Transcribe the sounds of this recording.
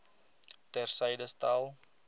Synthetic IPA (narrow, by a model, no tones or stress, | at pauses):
tɛrsɛjdəstɐlˠ